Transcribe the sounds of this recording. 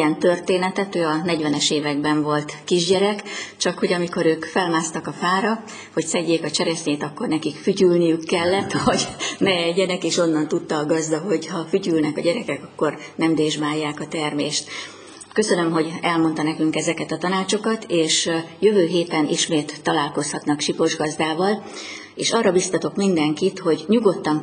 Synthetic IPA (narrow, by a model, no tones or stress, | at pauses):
ɛnt̪ø̞rt̪eːnɛt̪ɛt̪øːɒnɛɟʋɛnɛʃeːvɛɡ̚bɛɱvo̞lt̪kiʒɟɛɾɛkt͡ʃɒkho̞ɟɒmiko̞ɾøːkfɛlmaːst̪ɒkɒfaːɾɒ | ho̞csɛɟːeːkɒt͡ʃɛɾɛsɲeːt̪ɒkːo̞rnɛkikfycylnijykːɛlːɛt̪ːʋɒɟnɛɛɟːɛnɛkeːʃo̞nːɒnt̪ut̪ːɒːɡɒzd̪ɒɦo̞ɟhɒfycylnɛkɒɟɛɾɛkɛkɒkːo̞rnɛmd̪eːʒmaːjːaːkɒt̪ɛrmeːʃt̪ | kø̞sønø̞mɦo̞ɟɛlmo̞nt̪ɒnɛkyŋkɛzɛkɛt̪ɒt̪ɒnaːt͡ʃo̞kɒt̪ʰeːʃjø̞vøːɦeːt̪ɛnʔḭʃmeːt̪ːɒlaːlko̞shɒt̪nɒkʃipoʒɡɒzd̪aːvɒl | eːʃɒrːɒbist̪ɒt̪o̞kmind̪ɛŋkit̪ho̞ɟɲuɡo̞t̪ːɒŋ